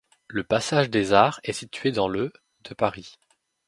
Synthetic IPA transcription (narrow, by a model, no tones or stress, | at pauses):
ləpasaʒd̪ezaːʁɛsit̪ɥed̪ɑ̃lø | d̪̥əpaʁi